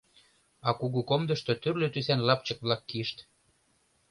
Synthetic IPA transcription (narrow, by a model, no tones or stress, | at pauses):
ɑkuɣukomd̪ə̆ʃt̪ot̪yrløt̪ysænlɑpt͡ɕə̆kβlɑkːiʃt̪